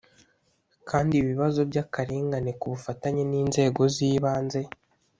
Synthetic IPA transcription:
kʰaːndiβiβazo̞bɟakaɾiːŋɡanekuβufataɲeniːnze̞ːɡo̞ziːβaːnze̞

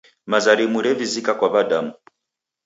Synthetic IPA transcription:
mazaɾimuɾɛvizikakwaβadamu

